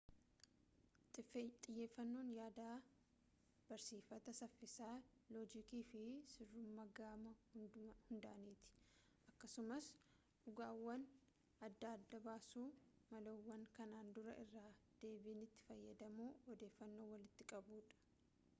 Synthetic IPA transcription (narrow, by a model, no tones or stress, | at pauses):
tʼɪt̪ʼɪjːe̞ːfːɐnːo̞ːnjaːd̪aː | b̥ɐɾsiːfɐt̪ɐsɐfːɪsaːloːd͡ʒɪkiːfɪsɪrːʊmːɐɡaːmɐhʊnd̪ɐʔɐniːt̪ɪ̥ | ʔɐkːɐsʊmɐs | ᶑʊɡaːwːɐn | ɐd̪ːaːɐd̪ːɐbaːsuː | mɐloːwːɐŋkɐnaːnd̪ʊɾɐʔɪrːaːd̪̥e̞ːbiːnɪt̪ːɪ̥fɐjːɐd̪ɐmuːɔd̪e̞ːfːɐnːo̞ːwɐlɪt̪ːɪkʼɐbuːᶑɐ̥